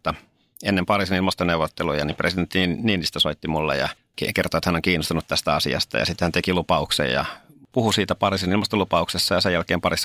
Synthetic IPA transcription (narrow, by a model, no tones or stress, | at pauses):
t̪ːɑ | enːempɑrisenilmɑst̪oneuʋot̪ːelujɑnipresident̪ːniːnist̪æsoit̪ːimulːḛjɑ̰ | kekert̪oet̪hænoŋkiːnost̪unut̪t̪æst̪æɑsḭɑ̰st̪ɑ̰jɑ̰sit̪ːehænt̪ekilupɑuksḛjjɑ̰puhusiːt̪æpɑrisinilmɑst̪olupɑuksesːɑjɑsejælkeːmpɑris